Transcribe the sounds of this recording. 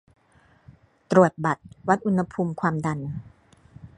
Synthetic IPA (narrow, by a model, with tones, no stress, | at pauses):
t̪ɾu˨˩ət̪̚ba˨˩t̪̚wa˦˥t̪̚ʔu˧nha˧pʰuː˧mkʰwaː˧mda˧n